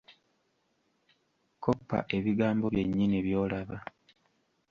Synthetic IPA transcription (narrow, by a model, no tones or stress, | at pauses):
kopːa̰ʔe̞βiɡaːmbo̞βje̞ɲːiniβjo̞ːlaβa